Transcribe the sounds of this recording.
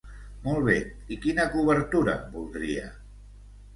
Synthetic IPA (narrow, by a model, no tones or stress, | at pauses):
molˠβ̞e | ikinəkuβəɾt̪uɾə̰bulˠd̪ɾḭə̰